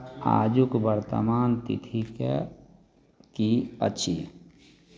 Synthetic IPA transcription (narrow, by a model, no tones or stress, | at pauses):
a̰ːd͡ʒukbəɾt̪ə̰maːnt̪ḭt̪ʰike | kiə̰tːʃʰi